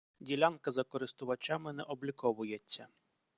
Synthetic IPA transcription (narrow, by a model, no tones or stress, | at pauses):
dʲilʲankɐzɐkɔɾɪst̪ʊʋɐt͡ʃamɪnɛʔɔblʲikɔʋʊjet͡sʲːɐ